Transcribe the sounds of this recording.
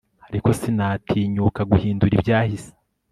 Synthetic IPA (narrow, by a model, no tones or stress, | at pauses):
haɾiko̞sinaːtʰiːɲuːkaɡuhiːnduɾibɟaːhise̥